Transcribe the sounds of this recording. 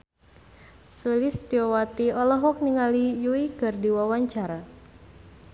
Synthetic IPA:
səlist̪iɔwat̪iɔlɔɦɔk̚niŋalijuikɨrdiwawaɲt͡ʃaɾa

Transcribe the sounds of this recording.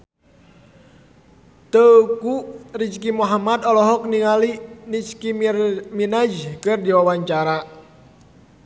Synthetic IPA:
t̪əukuʔrit͡ʃkimuɦamad̪ɔlɔɦɔk̚niŋalinit͡ʃkiminad͡ʒkɨrdiwawaɲt͡ʃaɾa

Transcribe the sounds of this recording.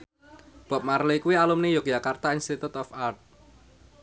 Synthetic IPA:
b̥a̤p̚maɾlejkuwialumnejoɡjakart̪ainst̪it̪ut̪ɔfart̪̚

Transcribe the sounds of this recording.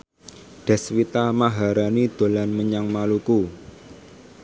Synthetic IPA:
ɖ̪̥ɛ̤swit̪amaɦaɾanid̪̥o̤lanməɲaŋmaluku

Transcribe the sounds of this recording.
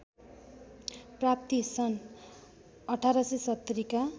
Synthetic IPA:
prap̚t̪isʌn | ʌʈʰaɾʌsesʌt̪ːʌɾika

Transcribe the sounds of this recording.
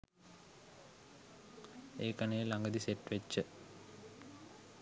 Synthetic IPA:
eːkanejelaŋɡəd̪iseʈːʋet͡ʃːə

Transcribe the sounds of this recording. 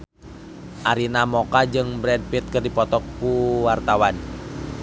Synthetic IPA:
ʔaɾinamɔkad͡ʒɨŋbɾɛd̚fit̪̚kɨrdipɔt̪ɔk̚kuwart̪awan

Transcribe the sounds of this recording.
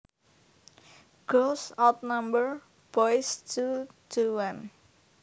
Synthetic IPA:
ɡ̥osawt̪̚nambər | b̥ɔjstuduwan

